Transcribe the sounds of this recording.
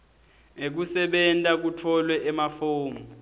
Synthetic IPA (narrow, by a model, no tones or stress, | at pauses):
ek̬usɛɓɛntʼak̬utʰɔlwɛʔɛmafoːmu